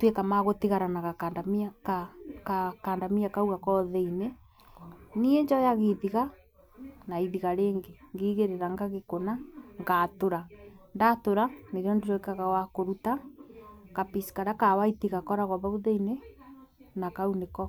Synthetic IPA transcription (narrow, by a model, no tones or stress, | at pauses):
twekamaɣotiɣaɾanaɣakadamkakakaːndamiakauɣakɔðeine | nieɲd͡ʒɔjaɣeðiɣa | naiðiɣaɾeːŋɡeŋɡiːɣeɾeɾaŋɡaɣekonaŋɡatoɾandatoɾaneɾjɔndeɾɔikaɣawakoɾuta | kapisi̥kaɾakawaitiɣakɔɾaɣɔβauðeine | nakaunekɔ